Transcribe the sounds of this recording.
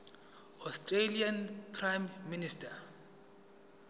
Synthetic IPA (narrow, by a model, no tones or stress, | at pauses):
ɔstʼrelianpʰrajmːinista